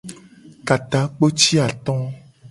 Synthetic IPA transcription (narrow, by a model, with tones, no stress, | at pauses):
ka˨t̪a˨k͡po˦t͡ʃi˦a˨t̪ɔ̃˦